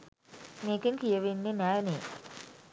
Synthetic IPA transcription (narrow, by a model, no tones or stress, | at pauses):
meːkiŋkijəʋenːenæːneː